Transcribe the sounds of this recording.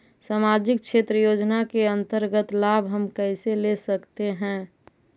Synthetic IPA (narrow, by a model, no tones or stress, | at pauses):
samad͡ʒɪk̚ʃʰet̪ɾəjod͡ʒnakeə̃nt̪əɾɡət̪labʱɦəmkəselesəkt̪eɦɛ̃ː